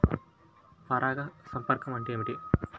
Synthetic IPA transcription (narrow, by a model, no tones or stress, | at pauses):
pɐɾaːɡɐsɐmpɐɾkɐmɐɳʈiɐmiʈi